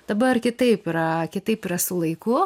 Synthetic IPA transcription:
d̥̪ɐbɐrkʲɪt̪ɐɪpɪɾɐkʲɪt̪ɐɪpɪɾɐsʊlˠɐɪkʊ

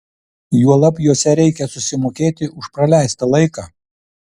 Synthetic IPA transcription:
juɔlˠɐpʲjuɔsʲɛɾʲɛɪkʲɛsʊsʲɪmoːkʲeːt̪ʲɪʔʊʃpɾɐlʲæˑɪst̪ɐlˠɐɪkɑː

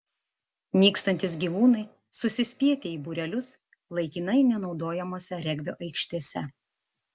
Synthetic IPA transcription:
nʲiːkst̪ɐnʲt̪ʲɪs̬ɡʲiːʋuːnɐɪ | sʊsʲɪsʲpʲiɛt̪ʲeiːbʊɾʲɛlʲʊs | lˠɐɪkʲinɐɪnʲɛnɒʊd̪oːjɛmoːsʲɛɾʲɛɡʲʋʲoːʔɐɪkʃʲt̪ʲiːsʲɛ

